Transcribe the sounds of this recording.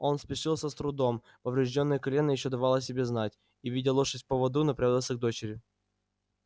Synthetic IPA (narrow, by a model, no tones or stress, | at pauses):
o̞nspʲɪʂɨlˠsʲəst̪ɾʊd̪o̞m | pəvɾʲɪʐdʲo̞nːəjəkɐlʲe̞nːəjɪɕːod̪ɐvalˠəs̬ʲɪbʲeznatʲ | ivʲidʲɪlˠuʂɨsʲt̚ʲpəvɐd̪unɐpɾʲad̪əlˠsʲəɡ̚d̪o̞t͡ɕɪɾʲjʊ